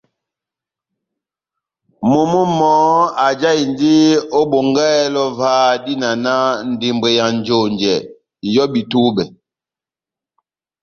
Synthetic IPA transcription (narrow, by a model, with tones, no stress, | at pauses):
mu˨mu˦mɔ˨˦a˨d͡ʒa˦i˨ndi˦o˦bo˨ŋɡɛː˦lɔ˦va˦di˦na˨na˦n̩˨di˨mbe˨ja˨nd͡ʒo˨ɲd͡ʒɛ˨ | jɔ˦bi˨tu˦bɛ˨